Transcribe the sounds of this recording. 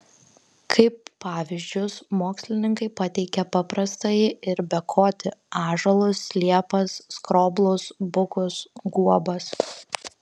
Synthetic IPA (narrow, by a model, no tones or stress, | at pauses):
kʰɐɪpːɑːʋʲɪzʲd͡ʒʲʊsmoːksʲlʲɪnʲɪŋkɐɪpɐt̪ʲɛɪkʲɛpɑpɾɐst̪ɐɪɪɾbʲɛkʰoːt̪ʲɪɑːʒɐlˠʊslʲiɛpɐsːkɾoːblˠʊsbʊkʊsɡuɔbɐs